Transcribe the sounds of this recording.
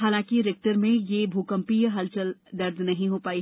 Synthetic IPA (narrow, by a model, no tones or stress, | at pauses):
ɦaːlãːkiɾeːk̚ʈəɾmẽjebʱuːkə̃mpiːɦɐlt͡ʃɐld̪ɐɾd̪nɐɦĩɦopaːi